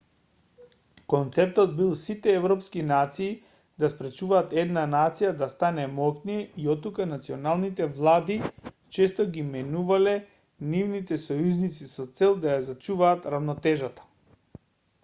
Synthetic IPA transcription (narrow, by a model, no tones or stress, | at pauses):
kɔnt̪sɛp̚t̪ɔd̪̚bilˠsit̪ɛɛvɾɔpskinat̪siː | d̪aspɾɛt͡ʃuvaːt̪ɛd̪nanat̪sijad̪ast̪anɛmɔkniɛiɔt̪ːukanat̪siɔnalˠnit̪ɛvlˠad̪i | t͡ʃɛst̪ɔɡimɛnuvalɛ | nivnit̪ɛsɔjuznit̪sisɔt̪sɛlˠd̪ajazat͡ʃuvaːt̪ɾavnɔt̪ɛʒat̪ḁ